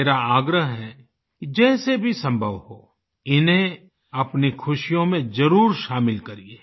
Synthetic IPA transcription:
eːɾaaːɡɾəɦɦɛ | kd͡ʒɛːsebʱisɐ̃mbʱəʋhoː | ɪnɦẽ | ɐpnikʰʊʃijõmẽd͡ʒɐɾuːɾʃaːmɪlkɐɾieː

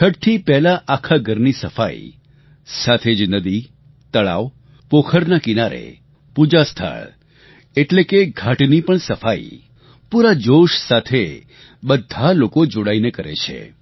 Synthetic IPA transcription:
kʰəʈt̪ʰipɛɦlaʔakʰaɡʱəɾnisəfa̰ḭ | sat̪ʰed͡ʒnəd̪i | t̪əɭa̰ʋ | pokʰəɾnakinaɾḛ | pud͡ʒast̪ʰa̰ɭ | eʈlekeɡʱaʈnipəɳsəfaḭ | puɾad͡ʒoʃsat̪ʰe | bəd̪ʱalokod͡ʒoɽainekəɾḛt͡ʃʰḛ

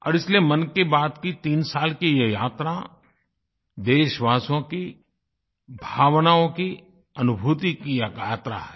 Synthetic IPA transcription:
ɔːɾɪsliemɐnkebaːd̪kit̪iːnsaːlkijejaːt̪ɾa | d̪eːʃʋaːsõki | bʱaːʋnaõki | ɐnʊbʱuːt̪ikijakaːt̪ɾa̰ɦɛː

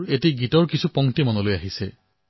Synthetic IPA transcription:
etiɡitɔɹkisʰupɔŋtimɔnɔlojaɦise

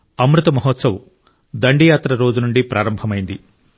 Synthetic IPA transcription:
ɐmɾut̪ɐmɐɦot̪sɐwu | d̪ɐɳɖijaːt̪ɾɐɾo̞ːd͡ʒunuɳɖipɾʔaːɾɐmbʱɐmɐjind̪i

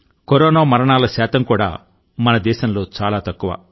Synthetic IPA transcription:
koɾɔːnaːmɐɾɐɳaːlɐʃɛːt̪ɐmkuːɽa̰ː | mɐnɐd̪ɛːʃɐmlo̞ːt͡ʃaːlaːt̪ɐkːuʋɐ̰

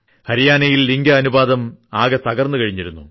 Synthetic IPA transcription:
hɐɾijaːnɐjilːiŋɡɐːnubaːd̪ɐmaːɣɐt̪ɐɣɐrnːukɐɻiɲːiɾunːṵ

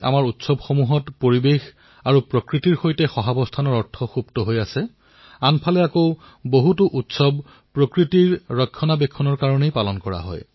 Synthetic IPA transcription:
a̰maɹutsɔbxomuɦɔtpoɹibex | aɹupɹokɹitiɹxojtɛxɔɦabɔstʰanɔɹɔɹtʰɔxubtɔɦojasɛ | anpʰalɛako | boɦutuʔutsɔb | pɹokɹitiɹɹɔkʰːɔnabɛkʰːɔnɔɹkaɹɔnejpalɔnkɔɹa̰ɦɔ̰j

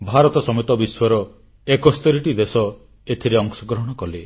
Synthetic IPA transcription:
bʱaɾɔt̪ɔsɔmet̪ɔbiswɔɾɔ | ekɔst̪ɔɾiʈid̪esɔ | et̪ʰiɾeɔŋsɔɡɾɔɦɔɽ̃ɔkɔle

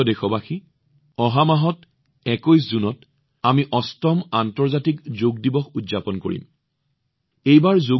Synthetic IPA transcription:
ɔdexɔbaxi | ɔɦamaɦɔt | ɛkojszunɔt | amiʔɔstɔmantɔɹzatikzoɡ̚dibɔxudzapɔnkoɹḭm | ejbaɹzo

